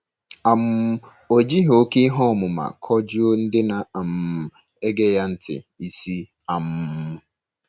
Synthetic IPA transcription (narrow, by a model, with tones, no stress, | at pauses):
a˨m˦ | o˨d͡ʒi˦ɦo˦ki˦i˦ɦɔ˦˨mʊ˨ma̰˨kʰɔ˦d͡ʒʊ˦o˦n̩˦dɪ˦na˨a˨m̩˨ | e˦ɡe˦ja˦n̩˦tʰɪ̰˨i˨si˦ | a˨m̩˦ʊ˦